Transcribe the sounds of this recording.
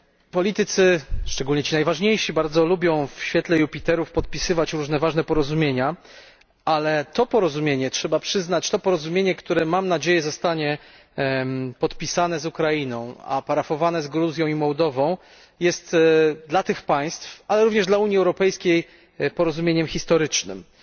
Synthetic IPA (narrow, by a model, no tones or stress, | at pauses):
pɔlʲit̪ɘt̪sɘʂt͡ʂɛɡulɲɛt͡ɕinajvaʐɲejʂibaɾd̪zɔlubʲjɔ̃w̃fɕfʲjɛt̪lɛjupʲit̪ɛɾufpɔt̪̚pʲisɘvat͡ɕɾuʐnɛvaʐnɛpɔɾɔzumʲjeɲa | ʔalɛt̪ɔpɔɾɔzumʲjeɲɛtʂɛbapʂɘznat͡ɕt̪ɔpɔɾɔzumʲjeɲɛkt̪uɾɛmamnad͡ʑejɛzɔst̪aɲɛ | pɔt̪pʲisanɛzukɾainɔ̃w̃a̰paɾafɔvanɛzɡɾuzʲjɔ̃w̃imɔwd̪ɔvɔ̃w̃ | jɛst̪d̪lat̪ɘxpaj̃st̪fʔalɛɾuvɲɛʐd̪lauɲiɛwɾɔpɛjskʲej | pɔɾɔzumʲjeɲɛmxʲist̪ɔɾɘt͡ʂnɘ̰m